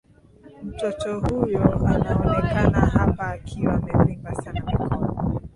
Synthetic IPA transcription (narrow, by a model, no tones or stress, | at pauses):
m̩tɔtɔhujɔanaɔnɛkanahapaːkʰiwamɛpiŋɡasanakɔɔ